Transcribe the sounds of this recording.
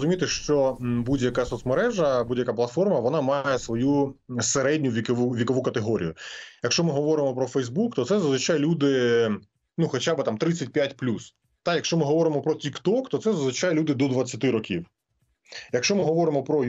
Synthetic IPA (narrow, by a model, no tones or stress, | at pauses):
zʊmʲit̪ɪʃt͡ʃɔbudʲjɐkasɔt̪smɐɾɛʒɐbudʲjɐkaplˠɐt̪fɔrmɐʋɔnɑmɑjesʋɔjuseɾɛdʲnʲʊʋʲikuʋʲikɔʋukɐt̪eɦɔɾʲḭjʊjɐkʃt͡ʃɔmɪɦɔʋɔɾɪmɔpɾɔfɛjzbukt̪ɔt̪sɛzɐzʋɪt͡ʃajɛlʲud̪ɪ | nuxɔt͡ʃabɨt̪ɑmt̪ɾɪt͡sʲːɐt̚ʲpʲjatʲplʲus | t̪ɑjɐkʃt͡ʃɔmɪɦɔʋɔɾɪmɔpɾɔtʲikt̪ɔkt̪ɔt̪sɛzɐzʋɪt͡ʃajɛlʲud̪ɪd̪ɔd̪ʋɐt͡sʲːɐt̪ɪɾɔkʲiw | jɐkʃt͡ʃɔmɪɦɔʋɔɾɪmɔpɾɔ